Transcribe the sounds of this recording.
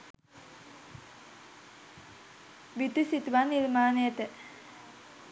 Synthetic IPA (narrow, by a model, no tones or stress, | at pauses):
ʋit̪isit̪uʋanilmaːnejət̪ə